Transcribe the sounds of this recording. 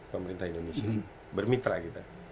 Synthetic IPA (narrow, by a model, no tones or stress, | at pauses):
pəmɾint̪ʰainomisi | bəɾmit̪ɾaɡit̪a